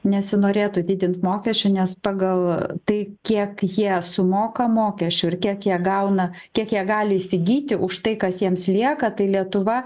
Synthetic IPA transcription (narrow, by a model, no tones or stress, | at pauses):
nʲɛsʲɪnoːɾʲeːt̪ʊd̪ʲɪːd̪ʲɪnt̪moːkʲɛsʲt͡ʃʲʊnʲɛspɑːɡɐlˠt̪ɐɪkʲiɛkjiɛsʊmoːkɐmoːkʲɛsʲt͡ʃʲʊɪrkʲiɛkjiɛɡɐʊnɐkʲiɛkjiɛɡɑːlʲɪɪsʲɪɡʲiːt̪ʲɪʔʊʃt̪ɐɪkɐsjiɛmslʲiɛkɐt̪ɐɪlʲiɛt̪ʊʋɐ